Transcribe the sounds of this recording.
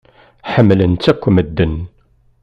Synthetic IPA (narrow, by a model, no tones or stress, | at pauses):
ħəmːlənt̪ːækʷːməd̪ːən